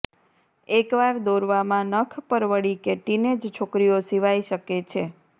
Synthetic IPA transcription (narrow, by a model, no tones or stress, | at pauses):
ekʋaɾd̪oɾʋamãnəkʰpəɾʋəɽikeʈined͡ʒt͡ʃʰokɾijosiʋajʃəket͡ʃʰe